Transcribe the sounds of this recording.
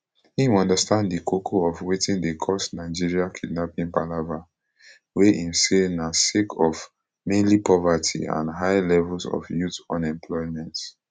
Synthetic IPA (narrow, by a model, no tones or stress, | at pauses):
hĩmɔ̃ndastãnddikʰokʰoɔvwetĩndekʰɔsnaɪd͡ʒiɹiakʰidnapĩŋpalava | weʔĩnsenasekʰɔv | mẽnlipɔvatʰḭã̰nɦaɪlɛvulsɔ̰fjutɔ̃nɛ̃mpʰlɔɪmɛ̃nt